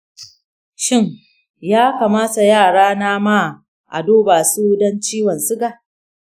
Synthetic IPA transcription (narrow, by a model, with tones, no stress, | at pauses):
ʃɪ˦˨ŋ | jaː˦kaː˨maː˦sa˨jaː˦˨ɽaː˦naː˦ma˦˨ | ʔa̰˨doː˦baː˨su˦dɔ˦nt͡ʃiː˦wɐ˨nsʊ˦ɡa˨ʔ